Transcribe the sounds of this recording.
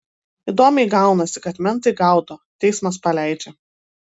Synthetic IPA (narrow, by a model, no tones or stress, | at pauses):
id̪oːmʲɛɪɡɑˑʊnɐsʲɪkɐt̪mʲɛnˑt̪ɐɪɡɑˑʊt̪oːt̪ʲɛɪsmɐspɐlʲæˑɪd͡ʒʲɛ